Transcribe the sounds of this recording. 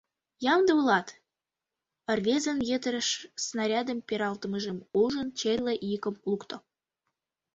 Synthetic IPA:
jɑmd̪əulɑt̪ | ə̆rvʲezənjet̪əɾəʃsnɑɾʲɑd̪əmpʲeɾɑlt̪əməʒemuʒənt͡ɕerʲleʔijəkəmlˠukt̪o

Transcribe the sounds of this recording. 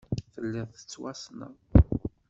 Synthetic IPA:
θəlːæθə̥t͡sːwæsna̰

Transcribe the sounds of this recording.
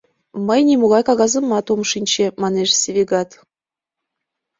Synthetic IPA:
məjnʲemoɣɑjkɑɣɑzə̆mːɑt̪omʃinʲt͡ɕĕmɑneʃsʲevʲeɡɑt̪

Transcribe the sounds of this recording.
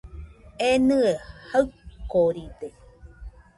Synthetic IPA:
enɯehaɯkːoɾid̪e

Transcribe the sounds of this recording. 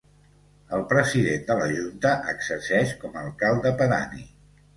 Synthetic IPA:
əlˠpɾəziðend̪ələʒunt̪əʔəɡzəɾsɛʃkɔməəːlˠkalˠd̪əpəɾa̰nḭ

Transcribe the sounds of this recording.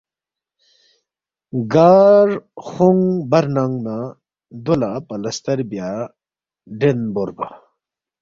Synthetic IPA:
ɡaːɾxuŋbɐɾnaŋɡna | d̪olapɐlɐst̪ɐɾbja | ɖenboɾba̰

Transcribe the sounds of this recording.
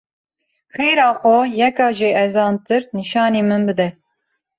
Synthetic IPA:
xeːjɾɑːxɔjɛkɑːʒeʔɛzɑːnt̪ɨɾniʃɑːneːmɨnbɨd̪ɛ

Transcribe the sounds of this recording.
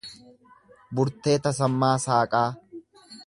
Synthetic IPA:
bʊɾt̪ːe̞ːt̪ɐsɐmːaːsaːkʼaː

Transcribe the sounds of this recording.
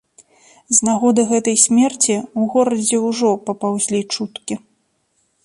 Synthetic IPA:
znaɣɔd̪ɨɣɛt̪ɐjsʲmʲɛrt͡sʲiuɣɔɾɐd͡zʲɛwʐɔpɐpawzʲlʲit͡ʂut̪kʲi

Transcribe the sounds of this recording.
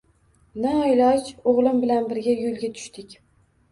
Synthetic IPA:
nɪɒjlˠɑt͡ʃoʁlˠɪmbɪlanbɪɾɡʲajolˠɡʲat̪ʰʊ̥ʃt̪ɪkʲ

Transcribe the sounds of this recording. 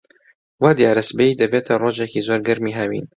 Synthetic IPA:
waːd̪jaːɾɐsbeid̪ɐbeːt̪ʰɐroːʒekiːzoːɾɡɐɾmiːɦɐwḭːn

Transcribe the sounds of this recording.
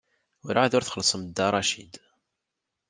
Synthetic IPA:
ʊɾʕaðʊɾθχəlːsˤəmd̪ːɑɾˤɑʃḭd̪

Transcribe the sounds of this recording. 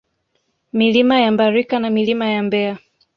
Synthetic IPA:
milimajambaɾikanamilimajambɛa

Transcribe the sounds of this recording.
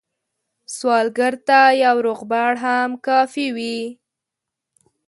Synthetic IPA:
swɑlɡəɾt̪ajawɾoɣbaɽɦamkɑfiwi

